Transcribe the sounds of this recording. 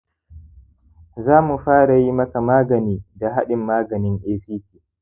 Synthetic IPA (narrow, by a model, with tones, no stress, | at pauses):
zaː˦mu˨ɸaː˦ɽa˨ji˦mɐ˦ka˨maː˦ɡɐ˨niː˦da˨ɦa̰˦ɗɪ˨mːaː˦ɡɐ˨nɪ˦ŋʔeː˦siː˦tiː˨